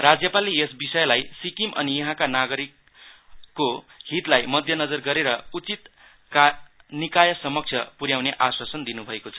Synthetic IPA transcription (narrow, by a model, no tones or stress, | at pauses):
rad͡zjʌpaliesbisʌjlajsikimʔʌ̰nijʌɦãkanaɡʌɾikː | o | ɦit̪lajmʌd̪ʱjʌnʌd͡zʌrɡʌɾeɾʌut͡sit̪ | knikajʌsʌmʌk̚t͡sʰjʌpuɾjawneʔaswasʌnd̪inubʱʌekot͡sʰʌ